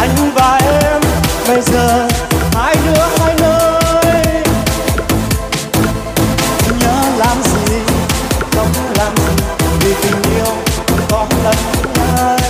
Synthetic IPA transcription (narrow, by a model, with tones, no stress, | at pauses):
ʔa˨˧˩jŋ˨˧ŋ͡mvaː˨˩ʔɛ˧mɓə˧jzəː˨˩haː˧jnɨ˧˥əhaː˧jnəː˧j | ɲəː˨˦laː˨˩mzi˨˩ | xə˧wŋ͡mlaː˨˩mzi˨˩vi˨˩t̪i˨˩ŋ̟ʔi˧əwkɔ˨˦lə˨˩n˧˦əː˧ə˧